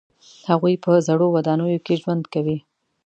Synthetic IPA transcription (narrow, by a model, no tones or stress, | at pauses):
haɣujpəzaɽowad̪ɑnəjokeʒwand̪kawi